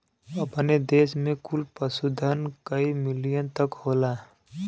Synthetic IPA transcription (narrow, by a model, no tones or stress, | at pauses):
ɐpned̪eːsmẽkʊlpəsud̪ʱənkəimɪlijənt̪əkhoːlaː